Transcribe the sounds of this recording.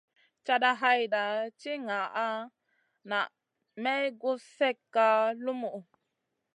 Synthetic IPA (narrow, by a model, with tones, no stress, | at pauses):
t͡ʃa˦˧da˧ɦa˦jda˨t͡ʃi˦ŋa˨ʔa˦ | na˨ʔ | mɛ˦ɡu˦sɛ˦kːa˦lu˦mu˨ʔ